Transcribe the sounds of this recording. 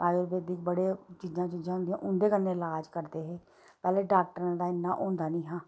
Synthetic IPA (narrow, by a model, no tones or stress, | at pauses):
ɾaːjoɾbeːd̪ɪkbəɽeːt͡ʃiːd͡ʒãːt͡ʃiːzãːɦʊ̃nd̪iã̰ʔʊnd̪eːkənːeːɪlaːd͡ʒkəɾd̪eːɦeː | pɛːleːɖaːk̚ʈəɾãːd̪aːɪnːa̰ːʔõːnd̪aːnĩːɦãː